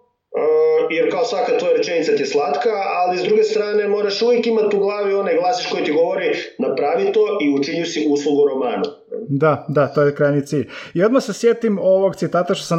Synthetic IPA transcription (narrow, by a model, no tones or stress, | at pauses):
əjeɾkaosʋakat̪ʋo̞jaɾet͡ʃenit̪sat̪ieslˠat̪kaalizd̪ɾuɡest̪ɾaːne̞mo̞ːɾaʃuʋjekimat̪uɡlˠaːʋio̞najɡlˠaːsiʃko̞jit̪iɡo̞ʋoɾinapɾaːʋit̪o̞ʔiut͡ʃiɲusiuslˠuɡuɾo̞maːnu | d̪ad̪at̪ojekɾajnit̪siːʎʲio̞d̪maxsesjet̪imoʋoɡt̪sit̪aːt̪aʃt̪osen